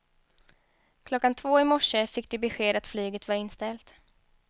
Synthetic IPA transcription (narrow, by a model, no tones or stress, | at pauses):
kʰlɔkːant̪ʰvoːɪmɔʂəfɪk̚ːd̪ɛbɛɧeːd̪at̪flyːɡət̪vaɾɪnːst̪ɛlt̪